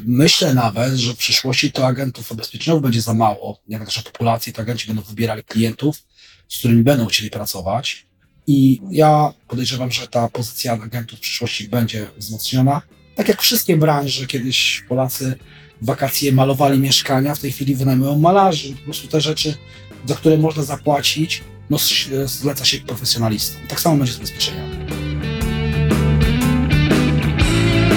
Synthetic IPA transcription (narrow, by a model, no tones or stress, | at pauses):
mɘɕlɛnavɛt̪ʐɛfpʂɨʂwɔɕt͡ɕit̪ɔaɡɛnt̪ufbɛspʲjɛt͡ʂɛɲɔvɨvbɛɲd͡ʑɛzamawɔ̰jɛɡ̪nak̪ʂɛpɔ̥pulat̪sjɛt̪ɔaɡɛnt͡ɕibɛnd̪ɔ̃w̃vɘbʲjɛɾalʲiklʲijɛnt̪uf | skt̪uɾɘmʲibɛnd̪ɔw̃xt͡ɕɛlʲipɾat̪sɔvat͡ɕ | ijapɔd̪ɛjʐɛvamʐɛt̪apɔzɘt̪sʲjaaɡɛnt̪ufpʂɨ̥ʂwɔɕt͡ɕibɛɲd͡ʑɛvzmɔt̪sɲɔna | t̪akʲjakfʂɘst̪̚kʲɛbɾanʐɛkʲjɛd̪ɘɕpɔlat̪sɘ | vːakat̪sʲjɛmalɔvalʲimʲjɛʂkaɲaft̪ɛjxʲfʲilʲivɘnajmujɔ̃w̃ːalaʐɨpɔpɾɔst̪ut̪ɛʐɛt͡ʂɘ | zak̚t̪uɾɛmɔʐnazapwat͡ɕit͡ɕ | nɔzlɛt̪saɕɛk̚pɾɔfɛsʲjɔnalʲist̪ɔ̥mt̪aksamɔbɛɲd͡ʑɛzbɛspʲjɛt͡ʂɛɲɔ